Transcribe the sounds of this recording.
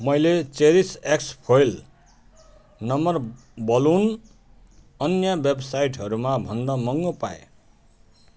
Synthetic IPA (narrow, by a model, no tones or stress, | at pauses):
mʌjlet͡seɾisekspʰojl | nʌmʌr | bʌlun | ʌnjʌbebsajʈɦʌɾumabʱʌnd̪ʌmʌŋɡopa̰ḛ